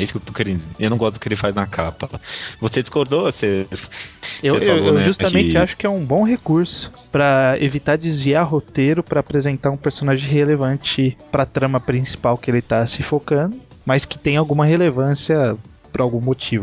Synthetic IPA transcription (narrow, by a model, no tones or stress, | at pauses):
ɛisʊkewt̪okeɾĩewnɐ̃w̃ɡɔst̪d̪ʊkɪelɪfajznɐkʰapɐvosed͡ʒiskoɾd̪ose | ewewewʒust̪ɐmẽt͡ʃɪaʃʊ̥kɪɛũbõɦekuɾsʊ̥ | pɾɐḛvit̪aɾd͡ʒɪzviaɾɦot̪eɾʊpɾɐːpɾezẽnt̪aɾũpeɾsonaʒẽj̃ɦelevɐ̃nt͡ʃɪpɾɐt̪ɾɐ̃mɐpɾĩsi̥pawkɪelɪt̪asɪfokɐ̃nd̪ʊmɐskɪ̥t̪ẽj̃awɡũmɐɦelevɐ̃siɐ | pɾawɡũmot͡ʃivʊ